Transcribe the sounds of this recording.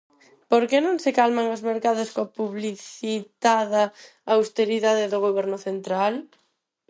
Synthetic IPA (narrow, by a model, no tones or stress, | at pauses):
poɾkenõŋsɪkalmaŋʊzmeɾkaðʊskoapuβliθit̪aða | awst̪eɾiðaðɪðʊɣ̞oβ̞ɛɾnʊθent̪ɾal